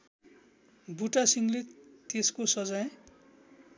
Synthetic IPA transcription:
buʈasiŋlet̪eskosʌd͡zaj

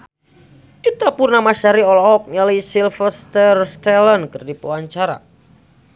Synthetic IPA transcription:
kit̪apurnamaʃaɾiɔlɔɔk̚ɲəlisilfəst̪ərst̪ɛlənkərdipuwaɲt͡ʃaɾa̰

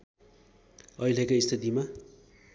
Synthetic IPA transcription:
ʌjlekaist̪ʰit̪ima

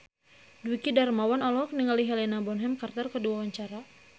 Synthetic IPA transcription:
duikidarmawanɔlɔk̚niŋaliɦɛlɛnabɔnɦɛmkart̪ərkəduawaɲt͡ʃaɾa

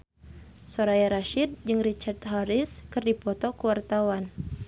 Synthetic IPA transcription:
soɾajaɾaʃid̪̚d͡ʒɨŋrit͡ʃart̪ɦaɾiskɨrdipɔt̪ɔkuwart̪awan

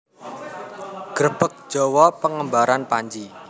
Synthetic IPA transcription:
ɡ̥əɾb̥ək̚d̥ʒ̥ɔwɔpəŋəmbaɾanpaɲd͡ʒi

